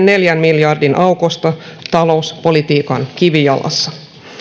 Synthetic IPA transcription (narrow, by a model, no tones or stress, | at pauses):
nne̞ljænmiljɑrdinʔɑukost̪ɑt̪ɑlo̞uspo̞lit̪iːkɑnkiʋijɑ̰lʔɑ̰sːɑ̥